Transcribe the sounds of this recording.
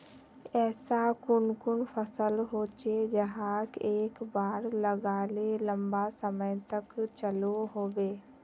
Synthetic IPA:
ɛːsakʊnkʊnpʰəsəlɦoːt͡ʃed͡ʒəɦaːkeːkbaːɾləɡaːlelə̃mbasəməjt̪əkt͡ʃəloɦoːʋeː

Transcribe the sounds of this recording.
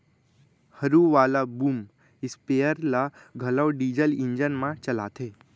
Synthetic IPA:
həɾuʋaːlabuːm | ispejəɾlaɡʱələwɖiːd͡ʑəliɲd͡ʒənmãt͡ʃəla̰ːt̪ʰe

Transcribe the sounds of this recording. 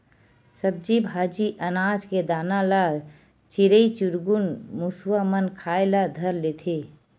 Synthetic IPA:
səb̚d͡ʒibʱaːd͡ʒiʔənad͡ʒked̪aːnalaɡ | t͡ʃiɾəit͡ʃuɾɡunmuswamənkʰaːelad̪ʱəɾlet̪ʰe

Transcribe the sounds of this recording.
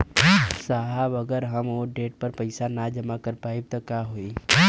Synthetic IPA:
saɦəbɐɡəɾɦɐmoːɖeːʈ̚pɐɾpɐɪsanad͡ʒɐmakɐɾpaːib̚t̪okjaɦoi

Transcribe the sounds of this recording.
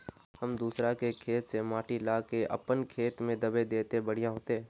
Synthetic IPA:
hɐmd̪uːsɾakekʰeːt̪semaːʈilaːkeʔɐ̰pənkʰeːt̪mẽd̪ɐbed̪eːt̪ebɐɽ̤ijãɦoːt̪eɦɛ̃

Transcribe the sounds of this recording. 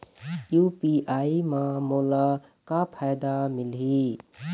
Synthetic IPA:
jupiʔaimãmola | kapʰajd̪amɪlɦi

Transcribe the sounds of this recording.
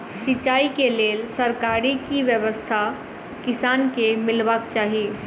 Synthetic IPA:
sit͡ʃaikelelsəɾkaɾikiʋjəʋəst̪ʰa | kɪsankemɪlbakt͡ʃaːɦi

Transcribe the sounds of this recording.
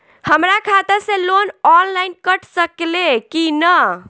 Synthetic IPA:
həmɾakʰat̪əɾsẽlonɔnlainkəʈʰsəklekinə

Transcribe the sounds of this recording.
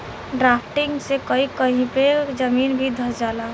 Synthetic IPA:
ɖɾapʰʈiŋɡsekəikəɦĩped͡ʒəminbʱid̪ʱəɾd͡ʒala

